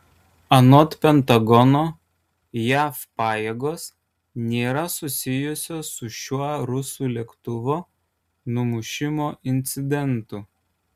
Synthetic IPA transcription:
ɐnɔt̪pʲɛnt̪ɐɡɔnoː | jæːfpɑːjeːɡoːs | nʲeːɾɐsʊsʲɪjʊsʲoːsʊʃʲuɔɾʊsuːˑlʲiɛkt̪ʊʋoː | nʊmʊʃʲɪmoːʔɪnʲt̪sʲɪd̪ʲɛnt̪ʊ

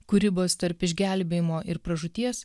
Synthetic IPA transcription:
kʊɾʲɪboːst̪ɐɾpɪʒʲɡʲæˑlʲbʲeːjɪmoːʔɪɾpɾɐʒʊt̪ʲiɛs

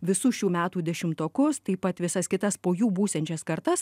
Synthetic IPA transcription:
ʋʲɪsʊʃʲuːmʲæːt̪uːd̪ʲɛʃʲɪmt̪oːkʊst̪ɐɪpɐt̪ʋʲɪsɐskʲɪt̪ɐspoːjuːbuːsʲt̪ʲɛnʲt͡ʃʲɛskɐɾt̪ɐs

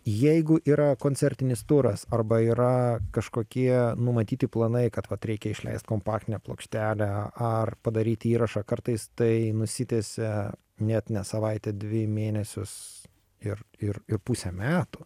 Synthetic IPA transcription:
jɛɪɡʊʔiːɾɐkoːnʲt͡sʲɛɾʲt̪ʲɪnʲɪst̪ʊɾɐsɐrbɐiːɾɐkɐʃkoːkʲiɛnʊmɐt̪ʲiːt̪ʲɪplˠɐnɐɪkɐt̪ʋɐt̪ɾʲɛɪkʲɛɪʃʲlʲɛ̰ɪst̪̚koːmpɑːktʲɪnʲɛplˠoːkʃʲt̪ʲæːlʲɛɐrpɐd̪ɐɾʲiːt̪ʲiːɾɐʃɑkɐrt̪ɐɪst̪ɐɪnʊsʲɪt̪ʲesʲɛ | nʲɛt̪nʲɛsɐʋɐɪt̪ʲɛd̪ʲʋʲɪmʲeːnʲɛsʲʊs | ɪrɪrɪrpusʲɛmʲæːt̪ʊ

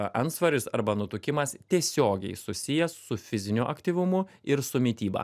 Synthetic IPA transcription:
ʔɐnsʋɐɾʲɪsɐɾbɐnʊt̪ʊkʲɪmɐst̪ʲiɛsʲoːɡʲɛɪsʊsʲɪjɛssʊfʲɪzʲɪnʲuʔɐkt̪ʲiːʋʊmʊ | ɪɾsʊmʲɪt̪ʲiːbɐ̰

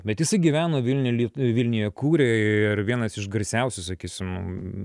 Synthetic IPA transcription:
bʲɛt̪jɪsɐɪɡʲiʋʲæːnoːʋʲɪlʲnʲʊlʲiːʋʲɪlʲnʲɪjɛkuːɾʲeːɪrʋʲiɛnɐsɪʃɡɐɾʲsʲɛʊsʲʊsɐkʲiːsʲɪm

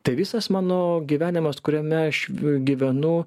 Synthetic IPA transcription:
t̪ɐɪʋʲiɪsɐsmɑːnoːɡʲiːʋʲæːnʲɪmɐskʊɾʲɛmʲɛɐʃɡʲiːʋʲɛnʊ

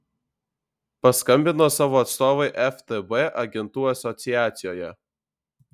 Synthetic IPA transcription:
pɐskɐmʲbʲɪnoːsɑːʋoːɐt̪st̪oːʋɐɪʔɛft̪ɛbeʔɐɡʲɛnt̪uːɐsʲɔt̪sʲɪjæːt̪sʲɪjoːjɛ

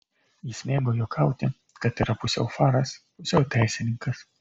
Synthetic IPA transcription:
jɪsʲmʲeːɡoːjoːkʰɐˑʊt̪ʲɪ | kɐt̪iːɾɐpʊsʲɛ̰ʊfɑːɾɐspʊsʲɛʊt̪ʲɛɪsʲɪnʲɪŋkɐs

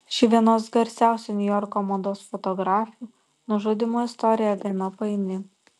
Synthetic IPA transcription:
ʃʲɪʋʲiɛnoːsɡɐɾʲsʲæˑʊsʲunʲʊjɔɾkɔmɐnd̪oːsfɔt̪ɔɡɾɑːfʲɪju | nʊʒoːd̪ʲɪmoːɪst̪ɔɾʲɪjɛd̪ʲɛnɐpɐɪnʲɪ

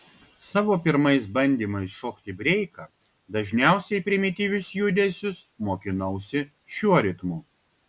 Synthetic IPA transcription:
sɑːʋoːpʲɪɾmɐɪsbɐnʲd̪ʲiːmɐɪsʃoːkt̪ʲɪbʲɾʲɛɪkɑː | d̪ɐʒʲnʲæˑʊsʲɛɪpʲɾʲɪmʲɪt̪ʲiʋʲʊsjʊd̪ʲeːsʲʊsmoːkʲɪnɐʊsʲɪ | ʃʲuɔɾʲɪt̪muː

